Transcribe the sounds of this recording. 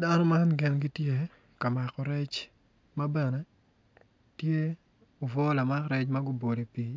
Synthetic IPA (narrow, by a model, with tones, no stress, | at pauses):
da˦nɔ˦ma˦nɡɪ˨nɡi˦tje˦ | ka˨ma˨kɔ˨ɾɛ˦t͡ʃ | mɐ˦bɛ˨nɛ˦ | tje˦ | o˨vɔ˦la˨ma˦kɾɛ˦t͡ʃmɐ˦ɡʊ˦bo˨de˨pi˨